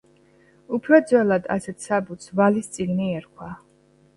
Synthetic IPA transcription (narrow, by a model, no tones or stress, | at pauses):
upʰɾɔd̪zwɛlˠad̪a̰sɛt̪ʰsabut̪svalist̪sʼiɡniɛɾkʰwa